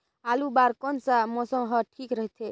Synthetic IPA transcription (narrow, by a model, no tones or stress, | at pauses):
alubaɾkɔnsamɔsəmɦəʈʰikɾəɦt̪ʰe